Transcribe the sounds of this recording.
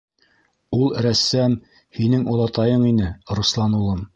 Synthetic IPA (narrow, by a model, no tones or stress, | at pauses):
ulˠɾæsːæm | hinɘŋŏlˠɑt̪ɑjɤɴinɘɾuslˠɑnulˠɤm